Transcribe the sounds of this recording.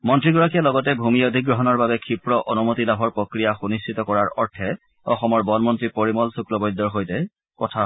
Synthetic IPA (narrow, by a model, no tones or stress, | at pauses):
mɔntɹiɡɔɹakijalɔɡɔtɛbʱumiodʱikɡɹɔɦɔnɔɹbabɛkʰipɹɔʔɔnumotilabʱɔɹpɹokɹijaxunistitɔkɔɹaɹɔ̰ɹtʰɛ | ɔxɔmɔɹbɔnmɔntɹipoɹimɔlsuklɔbɔjd̪ːɔɹxojtɛ | kɔtʰa